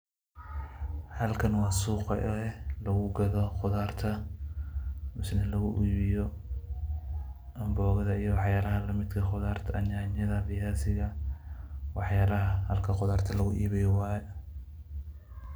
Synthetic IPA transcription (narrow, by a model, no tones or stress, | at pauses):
hɐlkʰɐnwɑːsuːqɑ̰ʔɛlɐɣʊɡɐðɔqʊðaːrt̪ʰɐ | mɪsnɛlɐɣʊʔiːβɪjɔ | ʔɐmbɔːɣɐðɐijɞwɑħjaːlɐɦɐlɐmɪd̪kʰɐqʊðaːrt̪ʰɐɐɲaːɲɐðɐrɪjaːsɪɣɐ | wʔɑħjaːlɐɦɐhɐlkʰɐqʊðaːrt̪ʰɐlɐɣʊʔḭːβɛjɔwaːjɛ